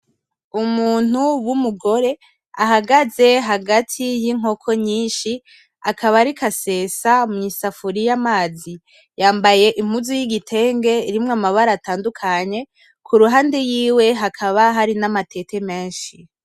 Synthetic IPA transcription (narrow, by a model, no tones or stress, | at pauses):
umuːn̥huwumuɡo̞ɾe̞ | aɦaɡaze̞ɦaɡatʰijiŋ̥o̞kʰo̞ɲiːnʃi | akʰaβaɾikase̞ːsamuŋisafuɾijamaːzi | jaːmbaje̞ʔim̥uzujiɡitʰe̞ːŋɡe̞iɾimŋamaβaɾaːtaːndukʰaɲe̞ | kʰuɾuɦaːndejiːwe̞ɦakʰaβaɦaɾinamate̞tʰe̞me̞ːnʃi